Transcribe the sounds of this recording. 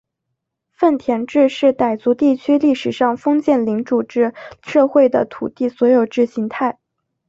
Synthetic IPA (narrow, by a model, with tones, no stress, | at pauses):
fə˥˩nt̪ʰjɛ˧˥nʈ͡ʂɻ̩˥˧ʂɻ̩˥˩t̪a˨˩ɪt͡su˧˥t̪i˥˩t͡ɕʰy˥li˥˩ʂɻ̩˨˩ʂɑ˥˩ŋfɤ˥ŋt͡ɕjɛ˥˩nli˧˥ŋʈ͡ʂu˨˩ʈ͡ʂɻ̩˥˩ʂɤ˥˧xwe˥˩ɪd̪ə̰˩t̪ʰṵ˨˩t̪i˥˩swɔ˧˥jo˨˩ʊʈ͡ʂɻ̩˥˩ɕi˧˥ŋt̪ʰa˥˩ɪ